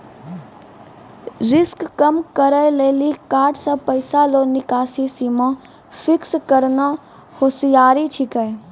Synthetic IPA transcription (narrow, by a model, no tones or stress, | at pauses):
ɾɪskːəmkəɾəjleːlikaːɾʈsapəɪsaloːnɪkaːsisimã | fɪkskəɾna | hoːsijaːɾit͡ʃʰɪkəː